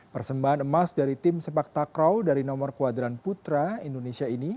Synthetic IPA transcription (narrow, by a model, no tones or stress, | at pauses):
pərsəmbaɦanəmasdaɾit̪ɪmsəpak̚t̪akɾawdaɾinɔmɔrkuwad̪iɾanput̪ɾaindonesiaini